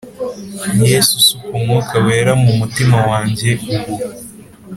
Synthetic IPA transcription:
jesusukumukaweːɾamumutimawaːɲɟe̞uɾu

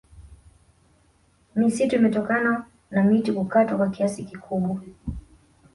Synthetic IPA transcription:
misituimɛtɔkana | namitikukatwakwakiasikikʰuɓwa

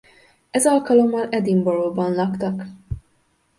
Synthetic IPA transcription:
ɛzɒlkɒlo̞mːɒlɛd̪imboɾoːbɒnlɒkt̪ɒk

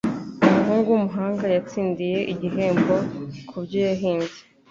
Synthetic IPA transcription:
umuɦuːŋɡuwumuɦaːŋɡajat͡siːndije̞ʔiɟiɦeːmbo̞kʰubɟejaɦiːnze

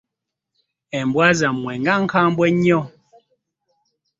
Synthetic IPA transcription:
ɛmbwazamwɛŋɡaŋ̩kambwɛɲɔ

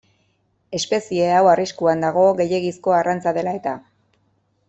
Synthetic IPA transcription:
e̞spe̞sie̞awariskuand̪aɣ̞o̞ɣe̞je̞ɣisko̞arant͡saðe̞lae̞t̪a

